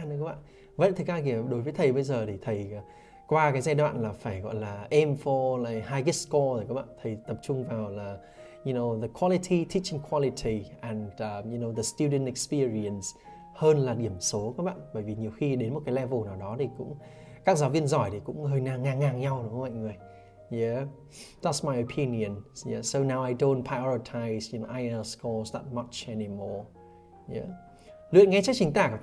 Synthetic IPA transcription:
nɨ˧˦kaː˦˥ɓa̰ː˧˨ | və̰˧˥˨jt̪ʰɨ˨˩kaː˧ki˧˩əɗo˨˦jvə˨˦jt̪ʰə˨˩jɓə˧jzəː˨˩t̪ʰi˨˩t̪ʰə˨˩j | kwaː˧kaː˨˦jzaː˧jɗwa̰ː˧˨nlaː˨˩faː˧˩jɣɔ̰˧˨jlaː˨˩ʔɛ˧mfo˧laː˨˩jhaː˧jki˦˥skɔ˧zə˨˩kaː˦k̚ɓa̰ː˧˨nt̪ʰə˨˩jt̪ə˨˩p̚t͡ɕʊ˧ŋ͡mvaː˨˩wlaː˨˩ | ju˧no˧wðə˨˩kʰwɔ˧li˧tʰi˧tʰi˧˥t͡ɕi˧ŋkʰwɔ˧li˧tʰi˨˩ʔɛ˨˩n˧ju˧no˧wðə˨˩st̪ju˧ɗə˧˨nɛ˨kspi˧əɹi˧ə˨˩ns | həː˧nlaː˨˩ɗi˧˩əmso˨˦kaː˦˥k̚ɓa̰ː˧˨nɓəː˧˩jvi˨˩ɲi˨˩əwxi˧ɗe˨˦nmo˨˩t̚kaː˨˦lɛ˧vo˨˩naː˨˩wɗɔ˨˦t̪ʰi˨˩kʊ̰˧˥ŋ͡m | kaː˦˥k̚zaː˨˦wvi˧ənzɔ˧˩jt̪ʰi˨˩kʊ̰˧˥ŋ͡mhəː˧jnaː˧˩ŋaː˨˩nŋaː˨˩ŋɲa˧wn˨˦˧ma̰˧˨ŋɨ˨˩əj | jɛ˧˦ | da˧˦tsma˨˧jo˨pʰi˧ni˨ə˨njɛ˧˦so˧naː˧wa˧jdo˧ntpʰɹa˧ɔ˧ɹi˧tʰa˧jzi˧nʔa˧jə˧skɔ˧zðə̰˧˦t̚mə˦t͡ʃɛ˧nimɔ˧˩ | jɛ̰˧˦ | lɨ̰˧˨ənŋɛ˨˧jt͡ɕa˦˥k̚t͡ɕï˨˦ŋ̟t̪aː˧˩k

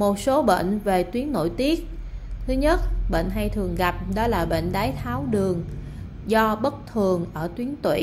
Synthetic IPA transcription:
mo˨˩t̚so˨˦ɓḛ˧˨ŋ̟ve˨˩t̪wi˨˦ənno̰˧˥˨jt̪i˦˥ət̚t̪ʰɨ˨˦ɲə˦˥t̚ɓḛ˧˨ŋ̟ɦa˧jt̪ʰɨ˨˩əŋɣa˨˩p̚ɗɔ˨˦laː˨˩ɓḛ˧˨ŋ̟ɗaː˨˦jt̪ʰaː˨˦wɗɨ˨˩əŋ | zɔ˧ɓə˦˥t̚t̪ʰɨ˨˩əŋʔəː˧˩t̪wi˨˦ənt̪wḭ˧˨

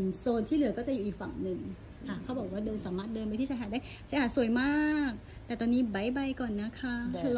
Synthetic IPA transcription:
soː˧nt̪ʰiː˥˩lɯ˩˦ɐkɔː˥˩t͡ɕa˨juː˨˩ʔiː˨˩k̚fa˨˩ŋnɯ˨˩ŋ | k̪ʰa˥˩kʰa˦˥˩bɔː˨˩k̚waː˥˩dɤː˧nsaː˩˦maː˥˩t̪̚dɤː˧mpa˧jt̪ʰi˥˩a˦˥ɦaː˨˩t̚daː˥˩j | t͡ɕʰa˧˦˥haː˨˩su˨˩əjmaː˥˩k̚ | t̪ɛː˨˩t̪ɔː˧nːiː˦˥ba˦jba˧jkɔː˨˩nːa˦˥kʰa˦˥

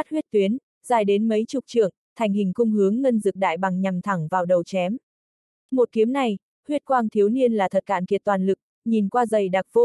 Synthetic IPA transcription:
a˦˥t̚hwi˦˥ət̚t̪wi˨˦ən | zaː˨˩jɗe˨˦nmə˨˦jt͡ɕʊ˨˩k͡p̚t͡ɕɨ̰˧˨əŋt̪ʰa˨˩ŋ̟hï˨˩ŋ̟kʊ˧ŋ͡mhɨ˨˦əŋːə˧nzɨ˨˩k̚ɗa̰ː˧˨jɓa˨˩ŋɲa˨˩mt̪ʰa˧˩ŋvaː˨˩wɗə˨˩wt͡ɕɛ˨˦m | mo˨˩t̚ki˨˦əmna˨˩j | hwi˦˥ət̚kwaː˧ŋt̪ʰi˨˦əwni˧ənlaː˨˩t̪ʰə˨˩t̚ka̰ː˧˩nki˨˩ət̚t̪waː˨˩nlɨ˨˩k̚ | ɲi˨˩nkwaː˧zə˨˩jɗaː˨˩k̚v̥o˧

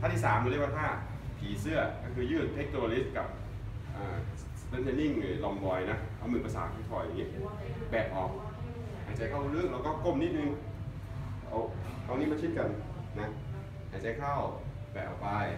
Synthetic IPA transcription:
t̪ʰaː˥˩t̪ʰiː˥˩saː˩˦mkʰːwaː˥˧t̪ʰaː˥˩ | p̪ʰiː˩˦sɯ˥˩ɐkɔː˥˩kʰɯː˧jɯː˥˩t̪ʰe˦˥k̚t̪ʰo˧li˦˥ka˨˩p̚ | ʔaː˨˩ | st̪ɛ˧˦˥nd̪e˧nːi˥˩ŋlɯː˨˦lɔ˧mbɔː˧jna˦˥ʔʔa˧˩mɯ˧˩pa˧sa̰ː˨˩˦t̪kʰi˧˥t̪ʰɔː˧ja˨ŋi˦˥ɐ˨ | bɛː˨˩ʔɔː˨˩k̚ | haː˨˩˥t͡ɕa˨˧˥kʰa˥˩wu˧lɯ˥˩ŋlɛː˦˥wkɔː˥˩ko˥˩mni˦˥t̪̚nɯ˧ŋ˧ | ʔo˧˩ʔa˧niː˦˥ma˧nt͡ɕʰi˦˥t̪̚ka˧nːa˦˥ | haː˨˩t͡ɕa˨˧a˦˧kʰa˥˩w | bɛː˨˩˨pa˧˩j

